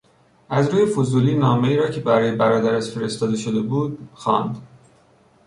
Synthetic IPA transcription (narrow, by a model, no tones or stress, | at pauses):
ʔæzɾuːje̞fozuːliːnɒːme̞iːɾɒːcʰe̞bæɾɒːjebæɾɒːd̪æɾæʃfe̞ɾe̞st̪ɒːd̪eʃo̞d̪e̞buːd̪̚xɒːnd̪